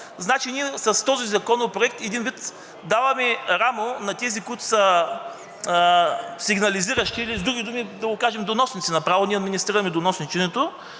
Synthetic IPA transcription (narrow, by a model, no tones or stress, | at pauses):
znat͡ʃiniɛsɐst̪ɔzizɐkɔnopɾoɛk̚t̪ɛd̪invit̪ | d̪avɐmɛɾamonɐt̪ɛzikujt̪ʊ̥sɐ | siɡnɐliziɾɐʃt̪iːlizd̪ɾuɡʲid̪umid̪ɐɡokaʒɛmd̪onɔsnit̪sinɐpɾavoniɛɐd̪minʲist̪ɾiɾɐmɛd̪onɔsnit͡ʃɛnɛt̪o